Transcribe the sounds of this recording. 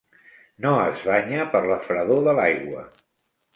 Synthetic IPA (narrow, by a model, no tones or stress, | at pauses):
noəzβaːɲapəɾləfɾəðoðəlajɣwə